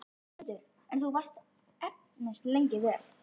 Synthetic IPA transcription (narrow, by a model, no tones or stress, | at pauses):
t̪ʏɾ | ɛnθθuvarst̪ | ɛp̚ | nɪst̪lejɲcɪvɛːɾ